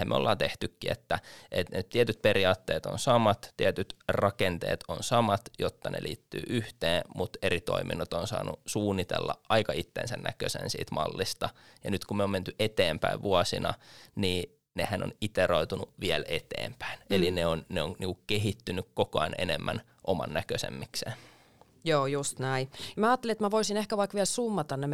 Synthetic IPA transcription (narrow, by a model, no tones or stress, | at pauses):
æmeolːɑːnt̪eht̪ykːiet̪ːæʔet̪net̪iɛt̪yt̪̚peɾiɑːt̪ːḛːt̪o̰nsɑmɑt̪t̪iɛt̪yt̪rɑkent̪ḛːt̪onsɑmɑt̪jot̪ːɑnḛlʔḭːt̪ːy̰ːʔyht̪eːmut̪eɾit̪o̞̰imḭnːot̪onsɑ̰ːnṵsuːnːit̪ḛlːɑ̰ʔɑikɑit̪ːḛːnsænːʔæ̰køsḛnsḭːt̪mɑ̰lːist̪ɑjɑnyt̪kummeoːment̪yʔet̪eːmpæiʋʋʔuɑsinɑniː | nehæno̰nit̪eroit̪unuʋiælet̪ḛːmpæ̥inelineonneoŋniŋkukkeɦit̪ːynykkokoɑnenemːæn | ʔomɑ̰nːækøsḛmːikseːn | joːjust̪næijɑmæɑːt̪ːeliet̪mæʋoisinehkæʋɑikʋiælsumːɑt̪ɑnnem